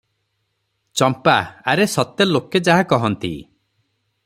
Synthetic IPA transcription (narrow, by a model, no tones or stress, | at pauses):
t͡ʃɔmpaːɾesɔt̪eloked͡ʒaɦakɔɦɔnt̪ḭ